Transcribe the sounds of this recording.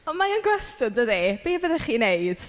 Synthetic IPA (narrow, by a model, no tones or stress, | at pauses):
ɔmaənɡwɛstʊdəðeb̥eːbəðɛχiːnejd̥